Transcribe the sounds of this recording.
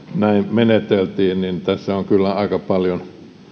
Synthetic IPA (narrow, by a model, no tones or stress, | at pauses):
næimmenet̪elt̪iːnnint̪æsːæoŋkylːæɑˑikɑpɑljon